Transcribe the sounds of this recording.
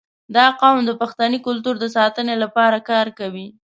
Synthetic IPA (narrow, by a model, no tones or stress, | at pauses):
d̪ɑqɑwmd̪əpaxt̪anikʊlt̪uɾd̪əsɑt̪ənelapɑɾakɑɾkawi